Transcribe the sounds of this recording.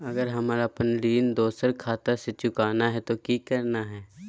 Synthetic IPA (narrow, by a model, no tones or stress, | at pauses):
ɐɡəɾɦɐmaːɾapənliːnd̪oːsəɾkʰaːt̪aset͡ʃʊkaːnaɦɛt̪okikɐɾnaɦɛː